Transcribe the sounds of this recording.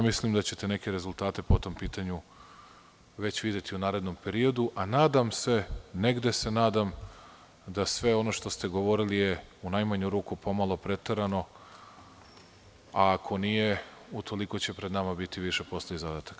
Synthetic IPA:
mislimd̪at͡ɕe̞t̪e̞ne̞ke̞ɾe̞zulˠt̪aːt̪e̞po̞t̪o̞mpiːt̪aɲu | ʋe̞t͡ɕʋid̪je̞t̪iunaːɾe̞d̪no̞mpe̞ɾio̞d̪uʔanaːd̪amse̞ne̞ɡd̪e̞se̞naːd̪am | d̪asʋe̞o̞no̞ʃt̪o̞st̪e̞ɡo̞ʋo̞ɾilijeunajmaɲuɾuːkupo̞malˠo̞pɾe̞t̪eɾano̞ | aːkʰo̞nije̞ut̪ʰo̞liko̞t͡ɕe̞pɾe̞d̪namabit̪iʋiʃe̞po̞sliezad̪at̪ḁk

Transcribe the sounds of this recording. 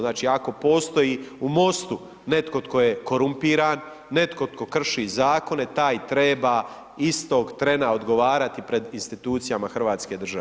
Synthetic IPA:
naːt͡ʃiːako̞po̞ːst̪o̞jiːumo̞st̪u | ne̞t̪ko̞t̪ko̞jeko̞ɾumpiːɾaːnː | e̞t̪ko̞t̪ko̞kr̩ʃiːzaːko̞ne̞t̪aːjt̪ɾeːbaː | ist̪o̞ɡt̪ɾe̞nao̞d̪ɡo̞ʋaːɾat̪ipɾe̞d̪inst̪it̪uːt̪sijamaxr̩ʋaːt̪ske̞d̪rʒae

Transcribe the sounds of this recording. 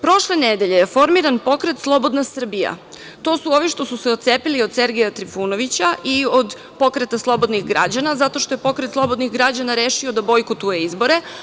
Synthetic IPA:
pɾo̞ʃle̞ned̪e̞ʎejefo̞ɾmiɾanpo̞kɾet̪slˠo̞bo̞d̪nasr̩bija̰ | t̪o̞suo̞ʋiʃt̪o̞suseot̪sepiliod̪se̞ɾɡejat̪ɾifuno̞ʋit͡ɕaʔio̞d̪ | po̞kɾet̪aslˠo̞bo̞d̪niɣɡɾa̰d͡ʑanazat̪o̞ʃt̪o̞je̞po̞kɾet̪slˠo̞bod̪niɣɡɾad͡ʑanaɾeːʃiod̪abo̞jkot̪ujeizbo̞ɾe̞

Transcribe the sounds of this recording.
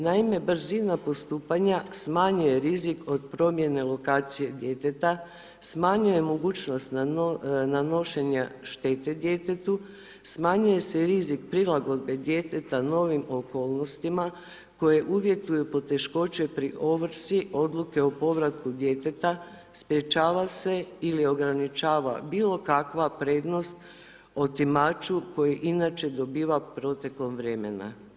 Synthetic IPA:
naime̞bɾ̩zinapo̞st̪uːpaɲasmaɲuje̞ɾizikʰo̞d̪̚pɾo̞mje̞ne̞lˠo̞kaːt̪sije̞d̪je̞t̪e̞t̪a | smaːɲuje̞mo̞ɡuːt͡ɕno̞st̪n | nano̞ʃe̞ɲaʃt̪e̞t̪e̞d̪je̞t̪et̪u | smaːɲuje̞seɾizikpɾilˠaɡo̞d̪̚be̞d̪je̞t̪e̞t̪ano̞ːʋimo̞ko̞ːlˠno̞st̪ima | ko̞je̞ʔuʋje̞t̪ujupo̞t̪e̞ʃko̞t͡ʃe̞pɾiʔo̞ʋɾ̩siʔo̞d̪luke̞o̞po̞ʋɾat̪kud̪je̞t̪e̞t̪a | spɾjet͡ʃaːʋase̞ilio̞ɡɾanit͡ʃaːʋa̰biːlo̞kakʋapɾe̞ːd̪no̞st̪ | o̞t̪imat͡ʃuko̞jeʔinat͡ʃe̞d̪o̞biːʋapɾo̞t̪e̞klo̞mʋɾe̞me̞na̰

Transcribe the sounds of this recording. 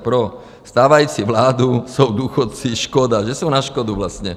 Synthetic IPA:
pɾɔ | st̪aːʋajut͡siʋlaːd̪usɔʊd̪uxɔt̪t͡siʃkɔd̪aʒɛsɔʊnaʃkɔd̪uʋlastɲɛ

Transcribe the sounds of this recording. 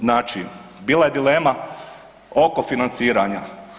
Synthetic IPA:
naːt͡ʃi | biːlˠaje̞d̪ileːma | o̞ko̞finant̪siːɾaɲa

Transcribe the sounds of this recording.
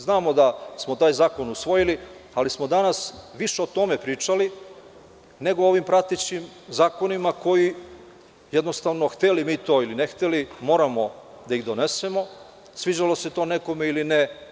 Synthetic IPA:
znaːmo̞d̪asmo̞t̪aːjzaːko̞nusʋo̞jilialismo̞d̪anasʋiʃeo̞t̪o̞me̞pɾiːt͡ʃali | ne̞ɡooʋimpɾat̪it͡ɕimzaːko̞nimako̞ji | jed̪nost̪aʋno̞xt̪elimiːt̪o̞ːilinext̪elimo̞ːɾamo̞ | d̪aiɣd̪o̞ne̞se̞mo̞ | sʋid͡ʑalo̞set̪o̞ne̞ko̞meiline

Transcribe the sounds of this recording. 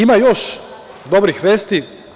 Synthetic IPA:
imajo̞ʃ | d̪obɾixʋeːst̪i

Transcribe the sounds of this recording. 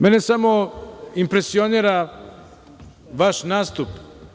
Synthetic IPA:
menesamoimpɾesioniɾa | ʋaʃnaːst̪up

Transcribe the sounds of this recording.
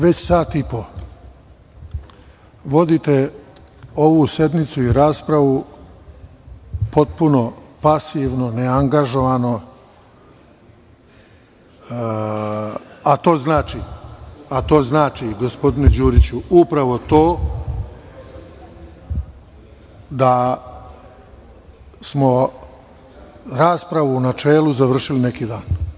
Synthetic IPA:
ʋet͡ɕsaːt̪ipo̞ | ʋo̞d̪it̪e | oʋuse̞d̪mit̪suiɾaːspɾaʋu | po̞t̪̚puno̞pasiʋnoneaŋɡaʒo̞ʋano̞ | at̪o̞ːznaːt͡ʃi | at̪o̞ːznaːt͡ʃiɡo̞spo̞d̪ined͡ʑuːɾit͡ɕuupɾaʋo̞t̪o̞ː | d̪a | smo̞ | ɾaːspɾaʋuːnat͡ʃeːlˠuzaʋr̩ʃilinekiːd̪aːn

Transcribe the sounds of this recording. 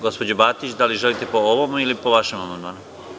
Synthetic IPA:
ɡo̞spo̞d͡ʑobaːt̪it͡ɕd̪aliʒe̞lit̪e̞po̞oʋomilipo̞ʋaʃemamand̪maːnu

